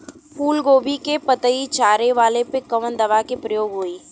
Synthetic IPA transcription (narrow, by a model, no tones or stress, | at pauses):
puːlɡoːbʱikepət̪əit͡ʃaːɾeʋaːlepekəʋənd̪ɐʋakepɾəjoːɡɦʊiː